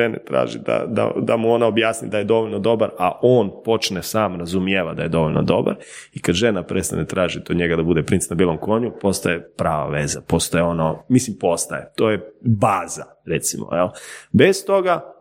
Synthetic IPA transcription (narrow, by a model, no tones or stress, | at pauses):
enḛt̪ɾa̰ːʒḭd̪a̰d̪a̰d̪amuo̞naobjaːsnḭd̪aje̞d̪o̞ʋo̞ʎno̞d̪o̞baɾaʔoːnpo̞t͡ʃnesaːmɾazumjeʋad̪aje̞d̪o̞ʋoʎnʔo̰d̪o̞ba̰ɾ | ikad̪ʒe̞napɾʔest̪a̰net̪ɾaːʒit̪od̪ɲe̞ɡad̪abud̪epɾint̪snabiːlˠo̞mko̞ɲupo̞st̪ajepɾaːʋa̰ʋezapo̞st̪ajeo̞nomislimpo̞st̪ajet̪oːjebaːza̰ | ɾet̪simo̰elbest̪o̞ɡa